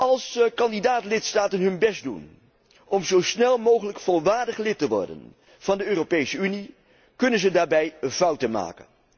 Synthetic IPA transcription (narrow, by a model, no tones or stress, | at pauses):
ʔɑlˠskɑndidaːtlɪtstaːtənɦɵnbɛsdṵn | ʔɔmzowsnɛlˠmowχələkfolˠʋaːɹdəχlɪtəʋɔ̰ɹdə̰n | v̥ɑndəøːropejsəyni | kɵnənzədaːɹbɛjvʌwtənma̰ːkə̰n